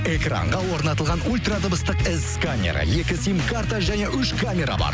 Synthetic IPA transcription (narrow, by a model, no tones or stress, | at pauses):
e̞kra̰ɴʁɑwo̞ɾnɑt̪əlˠʁɑnulʲt̪rad̪əbəst̪əqɪzkamʲe̞̰ɾa̰je̞kʲɪsimkʰaɾt̪aʒæne̞ʔʏʃkʰamʲe̞ɾa̰bɑ̰ɾ